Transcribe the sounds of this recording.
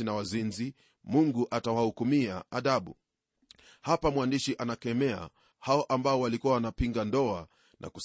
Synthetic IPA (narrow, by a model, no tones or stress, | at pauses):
inawazinzi | muŋɡuʔatawahukumiaaðaɓu | hapamwandiʃiʔanakɛmɛa̰ | haɔʔambaɔwalikuwawanapiŋɡandɔa | nʔa̰kus